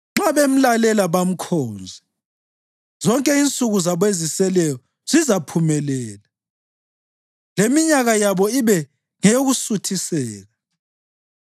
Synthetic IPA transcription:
ŋ͡ǁaβem̩lalɛlaβam̩kʰɔːnd͡zʱɛ | z̥ɔŋkʼɛint͡sʼuɣuzaβwezisɛlɛjɔ | z̥izapʰumɛlɛːla | lemiɲaɣajaβɔiβɛ | ŋɛjoɣusutʰisɛːɣa

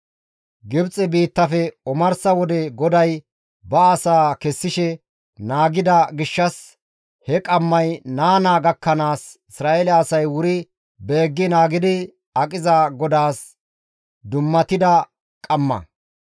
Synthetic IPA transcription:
ɡɪbt͡sʼɛbiːt̪ːɐfɛɔmɐɾsɐwɔd̪ɛɡɔd̪ɐj | bɐːsaːkɛsːɪʃɛ | naːɡɪd̪ɐɡɪʃːɐs | hɛkʼɐmːɐjnaːnaːɡɐkːɐnaːsɪsɾaːʔelɛɐsɐjwʊɾɪ | be̞ːɡːɪnaːɡɪd̪ɪ | ɐkʼɪzɐɡɔd̪aːs | d̪ʊmːɐt̪ɪd̪ɐ | kʼɐmːɐ̰

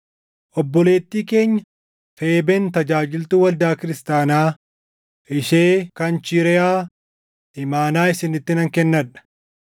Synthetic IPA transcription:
ʔɔbːɔle̞ːt̪ːiːke̞ːɲːɐ | feːbɛnt̪ɐd͡ʒaːd͡ʒɪlt̪uːwɐld̪aːkɪɾɪst̪aːnaː | ʔɪʃeːkɐnt͡ʃɪɾɪaː | ʔɪmaːnaːɪsɪnɪt̪ːɪnɐŋkɛnːɐᶑɐ̥

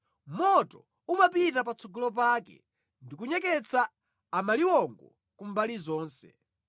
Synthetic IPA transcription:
mɔtɔ | umap̬itap̬at͡sʰɔɡɔlɔp̬aːkɛ̰ | ndik̬uɲɛk̬ɛt͡sʰa | amaliwɔŋɡɔ̰ | kumbalizɔːnsɛ̰

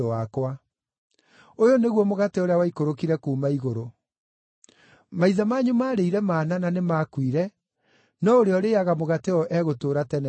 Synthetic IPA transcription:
oakwa | ojoneɣwɔmoɣateoɾeawaikoɾokiɾɛkuːmaiɣoɾo | maiðamaːɲumaːɾeiɾɛmaːnananemaːkwiɾɛ | nɔoɾeɔɾeaɣamoɣateɔʔɛɣotoːɾatɛnɛ

